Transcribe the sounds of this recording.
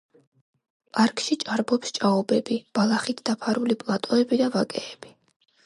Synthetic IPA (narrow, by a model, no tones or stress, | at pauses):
pʼaɾkʼʰʃit͡ʃʼaɾbɔpst͡ʃʼaɔbɛbib̥alˠaχit̪ʰd̪̥apʰaɾulipʼlˠat̪ʼɔɛbid̪avakʼɛːb̥i